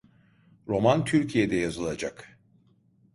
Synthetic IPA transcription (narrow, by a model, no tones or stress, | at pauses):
ɾo̞mant̪ʰyɾcʰijed̪ɛjazɯlˠad͡ʒak